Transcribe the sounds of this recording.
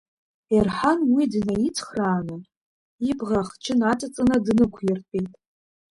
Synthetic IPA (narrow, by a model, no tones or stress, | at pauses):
irħanwidɨnajit͡sʰχraːnɨ | ibʁaχt͡ʃʰɪnatʼat͡sʼɨnadnɨkʷʰjɪrtʼejtʼ